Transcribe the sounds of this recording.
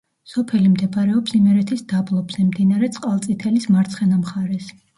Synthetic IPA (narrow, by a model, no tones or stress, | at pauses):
sɔpʰɛlimd̪ɛpaɾɛɔpsimɛɾɛt̪ʰisd̪ablˠɔbz̥ɛmd̪inaɾɛt̪sʼqʼalˠt̪sʼit̪ʰɛlismaɾt̪sʰχɛnamχaɾɛs